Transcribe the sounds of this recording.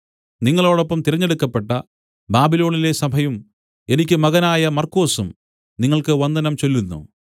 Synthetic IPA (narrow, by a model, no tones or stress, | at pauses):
niŋːɐɭo̞ːɽopːɐmt̪iɾɐɲːe̞ɽukːɐpːe̞ʈːɐ | baːbilo̞ːɳile̞sɐbʱɐjum | e̞nikʲːɨmɐɣɐnaːjɐmɐrko̞ːsum | niŋːɐɭkɨʋɐnd̪ɐnɐmt͡ɕo̞lːunːṵ